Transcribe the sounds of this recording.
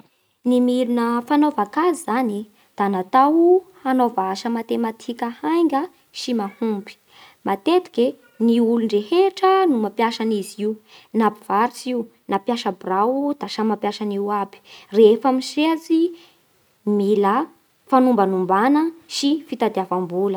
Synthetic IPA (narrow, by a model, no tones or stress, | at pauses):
nimiɾunəfanovakazizani | d̪̥anat̪auhanovaaʃəmat̪emat̪ʰikəhajŋɡə | ʃimahumbi̥ | mat̪et̪i̥ke | niulunreheʈ͡ʂənumapjaʃaniziwnabiv̥aɾit͡siu | napjaʃəbrawud̪̥aʃamapjaʃaniwabi̥refamiseat͡si | milə | fanumbanumbanəʃifit̪ad̪iavambulə